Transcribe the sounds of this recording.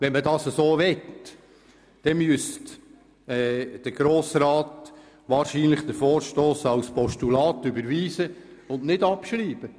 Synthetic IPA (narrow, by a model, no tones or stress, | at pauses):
ʋɛnmədɑːsəsoːʋɛt | d̥ɛmyəst | ɛd̥əɾɡ̥ɾoːsɾɑːt | ʋɑːɾʃiːnlɪχd̪əfoːɾʃtoːsɑwspɔʃtulɑːt̪ʏbəɾʋiːsəʊndnɪdɑpʃɾiːb̥ə